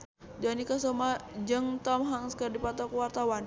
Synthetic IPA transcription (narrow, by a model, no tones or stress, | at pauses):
d͡ʒanikasɔmad͡ʒɨŋt̪ɔmɦaŋskərdipat̪ɔkwart̪awan